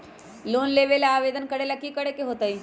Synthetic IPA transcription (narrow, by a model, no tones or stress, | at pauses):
loːnleːʋelaːʋeːd̪ənkəɽelɐkːikɐɽekeɦoːt̪aiː